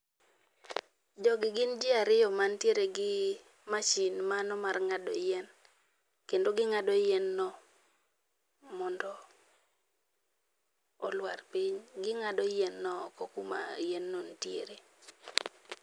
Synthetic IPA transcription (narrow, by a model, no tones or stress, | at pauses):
d͡ʒɔɡɪɡɪnd͡ʒɪaɾɪjɔmantjeɾeɡɪ | mat͡ʃinmanɔmarŋadɔ̰jɛn | kendoɡɪŋadɔjɛnːɔ | mɔndɔ | ɔlwarpiɲɡɪŋadɔjɛnːɔkɔkuma̰jɛnːontjeɾe